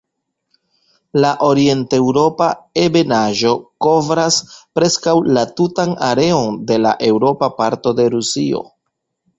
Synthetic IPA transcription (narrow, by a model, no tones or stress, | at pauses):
laʔo̞ɾie̞nte̞wɾo̞paebe̞naʒo̞ko̞vɾaspɾe̞skawlatutanaɾe̞o̞nde̞la̰ʔe̞wɾo̞papaɾto̞de̞ɾusḭo̞̰